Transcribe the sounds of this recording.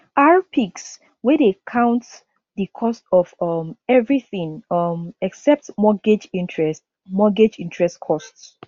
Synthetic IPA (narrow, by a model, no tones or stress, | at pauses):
ʔaɹpʰiks | wɛdekʰãʊ̃nt | ðikʰɔstɔvʌmɛvɹiθĩŋʌmɛksɛp̚tmɔɡed͡ʒĩntʰɹɛst | mɔɡed͡ʒĩntʰɹɛstkʰɔsts